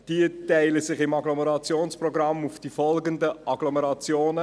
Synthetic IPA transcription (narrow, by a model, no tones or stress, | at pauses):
d̥iətaɪləsɪχɪmɑɡlɔmɛɾɑt͡sjoːnsprɔɡɾɑmufd̥ifɔlɡəndəʔɑɡlɔmɛɾɑt͡sjoːnə